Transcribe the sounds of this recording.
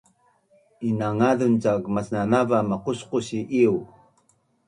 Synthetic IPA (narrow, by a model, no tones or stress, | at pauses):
inaŋaðunt͡saɡmasnanavamaqusquɕiʔiu